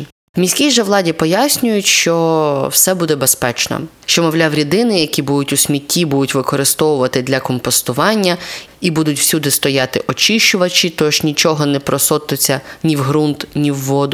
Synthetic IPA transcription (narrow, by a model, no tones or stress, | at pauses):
wmʲisʲkʲijʒɛʋlˠɑdʲipɔjasʲnʲʊjʊtʲʃt͡ʃɔwsɛbud̪ɛbespɛt͡ʃnɔ̰ | ʃt͡ʃɔmɔʋlʲawɾʲid̪ɪnɪjɐkʲibud̪ʊtʲʊsʲmʲitʲːibud̪ʊtʲʋɪkɔɾɪst̪ɔʋʊʋɐt̪ɪd̪lʲɐkɔmpɔst̪ʊʋɑnʲːɐ | ibud̪ʊtʲwsʲud̪ɪst̪ɔjɑt̪ɪʔɔt͡ʃɪʃt͡ʃʊʋɐt͡ʃit̪ɔʃnʲit͡ʃɔɦɔnɛpɾɔsɔt̪ʊt͡sʲːɐnʲiwɦɾunt̪nʲiwːɔd̪ʊ